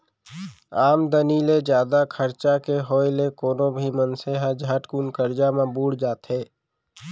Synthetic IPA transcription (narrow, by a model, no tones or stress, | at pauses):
aːmd̪əniːled͡ʒjaːd̪akʰəɾt͡ʃakeɦoːjlekoːnõbʱimənseɦad͡ʒʱaːʈkuːnkəɾd͡ʒamãbuːɽd͡ʒaːt̪ɦɛː